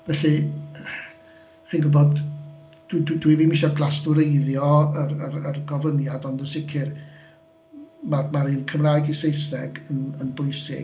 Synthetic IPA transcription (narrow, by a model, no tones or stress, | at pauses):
vɛɬɨ | χiːnɡʊbɔd | d̥wddwiviːmɪʃɔɡlˠastʊɾejðjɔərərərɡɔvənjadɔndənsɪkʰɪr | mamaɾinkʰəmraːjɡisejsɛɡənənbʊɨsɪ̰